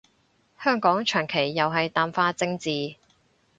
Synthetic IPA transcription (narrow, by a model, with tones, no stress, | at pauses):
hœː˥ŋkɔː˨˥ŋt͡ʃʰœː˨˩ŋkʰe˨˩jːɐ˨wɦɐ˨jt̪aː˨mfaː˧˥t͡sɪ˧ŋt͡siː˨